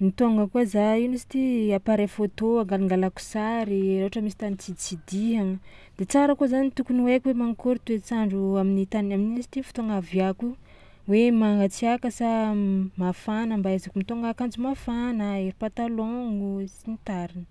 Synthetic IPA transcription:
mit̪oŋɡəkuazainisi̥t̪iapaɾefot̪oaŋɡaliŋɡalaku̥saɾiɾawɦaʈ͡ʂəmisi̥t̪anit͡sit͡sid̪iɦaŋə | d̪̥et͡saɾəkozanit̪ukuniwekʲuwemaŋkuɾut̪wet͡saɳɖ͡ʐuaminit̪anaminisi̥t̪ifu̥t̪oŋavjaku | wemaŋɡat͡siakəsamafanəmbaezakumit̪oŋɡakand͡zumafanəeɾipat̪aloŋusinit̪aɾinə̥

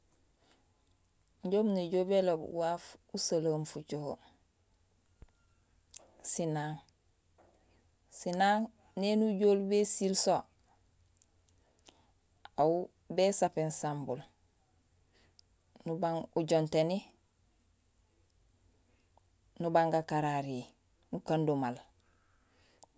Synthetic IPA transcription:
ɲɟoːmneɟoːbelobwaːfusalamfut͡ʃoho | sinaːŋ | sinaːŋ | nenuɟoːlbesilso | au | beːsapensambul | nubaŋuɟonteni | nubaŋɡakaɾaɾi | nukandumal

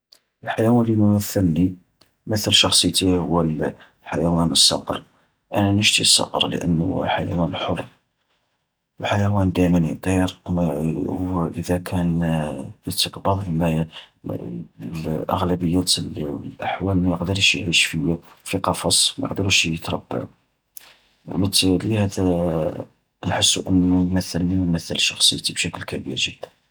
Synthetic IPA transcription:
əlħajæwænlimʊwæθːənːi | mət̪əlʃɑxsˤət̪ihʊwːəl | ħajæwænəsˤːɑ̰qə̰ɾˤ | ʔænænəʃt̪isˤːɑ̰qə̰ɾˤlə̰ʔə̰n̰ːħajæ̰wænħorˤ | wħajæwænd̪æmənit̪ˤiɾ | ʔəðækʰænjət̪ːəqbɑðˤbimæj | ʔə̰ɣlæbəjːæt̪llʔaħwælmæjəqd̪əɾˤʃjəʕəʃfəjæfiqɑfɑsˤmæjəqd̪əɾuʃjət̪ɾˤɑbːa̰ʕu | wmət̪ːlihæd̪æ | nħəsːuʔənːumæθːəlnimæθːəlʃɑxsˤəjːt̪ibʃækəlkæbiɾʒəd̪̥ːən

